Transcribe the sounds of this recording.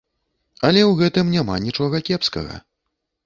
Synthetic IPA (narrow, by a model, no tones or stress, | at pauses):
ɐlʲɛwɣɛt̪ɨmnʲama̰nʲit͡ʂɔɣɐkʲɛpskɐ̰ɣɐ̰